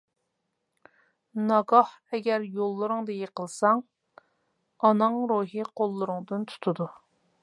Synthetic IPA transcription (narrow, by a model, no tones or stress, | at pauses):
nɑɡɑh | ɛɡʲɛɾjolˠːɨɾɨŋd̪ɨjeqəlˠsɑŋ | ɑnɨŋɾuɦiqʰolˠːɨɾʊŋd̪ɨnt̪ʰu̥t̪ʰud̪u